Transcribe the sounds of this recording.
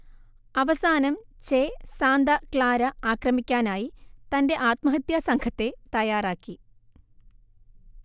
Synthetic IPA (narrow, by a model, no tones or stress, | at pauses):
ɐʋɐsaːnɐmt͡ɕesaːnd̪ɐkɭaːɾɐaːkrɐmikʲːaːnaːjit̪ɐnde̞ʔaːt̪mɐɦɐt̪jɐsɐŋkʰɐt̪ːe̞t̪ɐjaːraːkːi